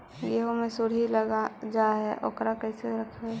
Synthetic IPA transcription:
jeɦomẽsʊɽ̤iləɡad͡ʒaɦɛʔo̰kɾakɛːseɾəkʰe

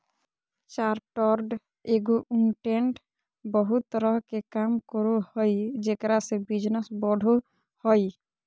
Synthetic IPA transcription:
t͡ʃaɾʈɔɾɖ | eɡuʔunʈeɳʈ | bɔɦut̪ːɔɾɔɦkekamkɔɾuhɔjd͡ʒekɾasebid͡ʒnesbɔɖʱo | hɔj

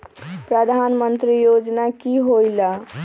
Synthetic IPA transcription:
pɾəd̪ʱanmənt̪ɾijod͡ʒnakiɦojla

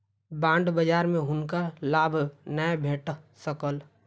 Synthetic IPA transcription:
bãːɳɖbəd͡ʒaːɾmẽɦʊnkalaːbʱnəebʱeːʈsəkəl

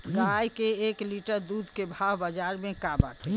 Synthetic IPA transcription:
ɡajkeeːkliʈəɾd̪uːd̪ʱkebʱaɦbəd͡ʒaːɾmẽkaba̰ːʈʰe

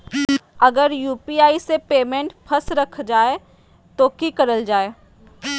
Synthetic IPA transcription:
ɐɡəɾjuːpiaːisepeːmẽːɳʈpʰɐsɾɐkʰd͡ʒaːe | t̪oːkikəɾəld͡ʒaːeː

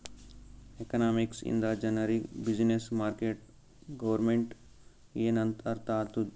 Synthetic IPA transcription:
ekɐnaːmiksḭnd̪ad͡ʒɐnɐɾibid͡ʒnesmaːɾkeːʈ | ɡɐʋəɾmẽɳʈ | enɐnt̪ɐɾt̪aːt̪u

